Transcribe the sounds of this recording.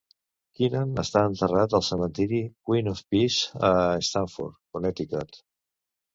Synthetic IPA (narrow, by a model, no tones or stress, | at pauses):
kinanə̰st̪aənt̪ərat̪əlˠsəmə̃nt̪iɾikwinofpizəest̪aɱfṵɾt̪konɛt̪ikat̪